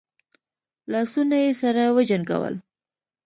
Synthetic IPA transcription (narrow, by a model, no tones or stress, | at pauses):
lɑsunajesaɾawəd͡ʒanɡa̰wə̰l